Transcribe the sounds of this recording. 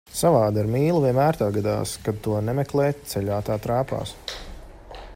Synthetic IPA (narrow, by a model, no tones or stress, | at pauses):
savaːd̪aiɾmiːlˠuviɛnmæːɾt̪aːɡad̪a̰ːskad̪̚t̪uɔnɛmɛklˠɛːt̪t̪sɛʎʲaːt̪aːt̪ɾaːpa̰ːs